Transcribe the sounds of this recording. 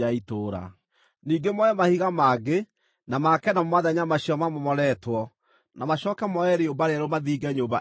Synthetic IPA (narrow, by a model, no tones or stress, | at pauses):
aitoːɾa̰ | niːɡemɔɛmahiɣamaɡe | namakɛnammaðaɲamaɕiɔmamɔmɔɾɛtwɔ | namaɕɔkɛmɔɛɾeombaɾeaɾomaðiːɡɛɲoba̰